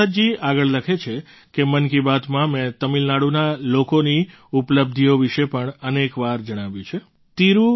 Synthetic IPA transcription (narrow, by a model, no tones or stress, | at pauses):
əd͡ʒiaɡəɭləkʰet͡ʃʰe | kemənkibat̪mãmɛ̃t̪əmilnaɽunalokoni | upləb̚d̪ʱioʋiʃepəɳənekʋaɾd͡ʒəɽ̃aʋjũt͡ʃʰe | t̪iɾũ